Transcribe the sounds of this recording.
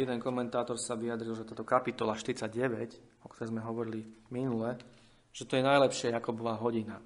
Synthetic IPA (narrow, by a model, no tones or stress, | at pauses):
jɛd̪ɛŋkɔmɛnt̪aːt̪ɔɾsaʋijad̪ɾilˠʒɛt̪aːt̪ɔkapit̪ɔlaʃt̪iɾit͡saɟɛʋɛc | ɔkt̪ɔɾɛːzmɛɦɔʋɔɾiliminulɛ | ʒ̥ɛt̪ɔjɛnajlɛpʃɪɛakɔbɔʋaːɦɔɟina